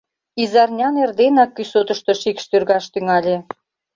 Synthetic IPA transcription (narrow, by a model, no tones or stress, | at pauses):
izɑrnʲɑnerd̪enɑkːysot̪əʃt̪oʃikʃt̪ørɣɑʃt̪yŋɑlʲe